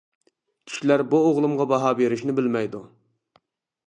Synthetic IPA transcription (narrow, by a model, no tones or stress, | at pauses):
kʲʰi̥ʃilæɾbuoʁlˠumʁɑbɑɦɑbeɾɪʃnɪbɪlmɛjd̪u